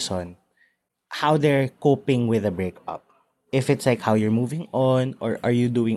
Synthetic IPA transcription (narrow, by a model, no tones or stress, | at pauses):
sɔ̃n | hawd̪ɛɹkopɪ̃ŋwɪðɐbɹekʌ̰p̚ | ɪfɪt̪slaɪkhawjʊɹmuvɪ̃ŋɔnɔ̰ɹʔaɹjud̪uːɪ̃ŋ